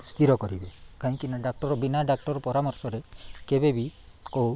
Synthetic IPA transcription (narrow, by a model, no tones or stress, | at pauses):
st̪ʰiɾɔkɔɾibekaĩkinaɖak̚ʈɔɾɔbinaɖak̚ʈɔɾɔpɔɾamɔɾsɔɾekebebi | kow